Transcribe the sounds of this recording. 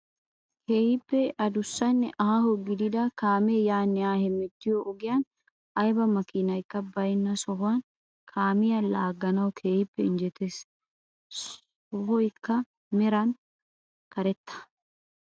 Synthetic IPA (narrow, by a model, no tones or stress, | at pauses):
kʰeːhɪpːɛʔɐd̪ʊsːɐnːɛʔɐhɐhɔɡɪd̪ɪd̪ɐkaːmejaːnːɛaːhɛmɛd̪ːɪjɔʔɔɡɪjɐn | ʔɐjbɐmɐkɪnɐjkːɐbɐjnːɐsɔɦʊwɐn | kʰaːmɪjɐlaːɡːɐnɐwkʰeːhɪpːɛɪnd͡ʒɛt̪es | ɔhɔjkːɐ | mɛɾɐn | kɐɾɛt̪ːɐ̥